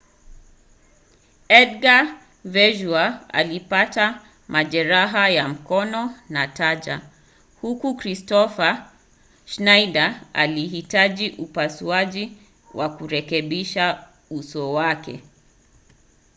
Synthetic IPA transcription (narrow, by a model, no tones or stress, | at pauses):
ɛdɡa | vɛʒuaa̰lipata | mʔaʄɛɾaɦajam̩kɔnɔnataʄa̰ | hukukɾistɔfa | ʃnajdaa̰lihitaʄiʔupasuaʄi | wʔakuɾɛkɛɓiʃa | usɔwakɛ̰